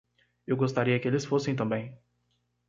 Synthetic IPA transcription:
ewɡost̪aɾiɐkɪelɪsfosẽj̃t̪̬ɐ̃mbẽj̃

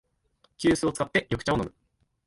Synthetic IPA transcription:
kʲɨːsɨo̞t͡sɨ̥kat̪ːe̞jʔo̞kɯ̟t͡ɕaono̞mɯ̟

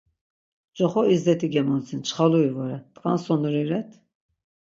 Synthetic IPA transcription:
d͡ʒʼɔχɔizd̪ɛt̪ʰiɡɛmɔnt͡sʰint͡ʃʰχaluivɔɾɛt̪ʼkʼansɔnuɾiɾɛt̪ʰ

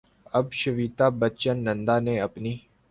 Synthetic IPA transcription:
ɐbʃəʋiːt̪aːbət͡ʃənːə̃nd̪aːnẽːɐpniː

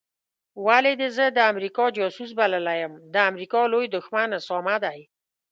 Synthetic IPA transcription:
waled̪ezəd̪əamɾikɑd͡ʒɑsus̬baləlajəmd̪əamɾikɑlojd̪ʊxmanəsɑmad̪aj

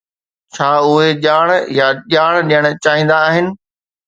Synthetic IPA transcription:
t͡ɕʰaːʊɦeʄaːɽ̃jaʄaːɽ̃ɗijəɽ̃ʊ̆t͡ɕaːɦĩːn̆d̪aːɦɪnɪ̆

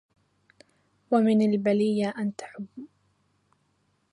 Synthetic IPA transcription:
wamɪnalbalɪjːaʔant̪ḁħʊbː

